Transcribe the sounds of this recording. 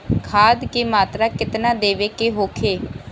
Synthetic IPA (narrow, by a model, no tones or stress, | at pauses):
kʰaːd̪keːmaːt̪ɾaːkɪt̪naːd̪eːʋeːkeːɦoːkʰeː